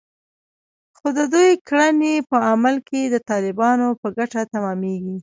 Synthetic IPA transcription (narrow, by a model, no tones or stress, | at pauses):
xod̪əd̪ujkɽanepəamalked̪ət̪ɑlɪbɑnopəɡaʈat̪amɑmeɡi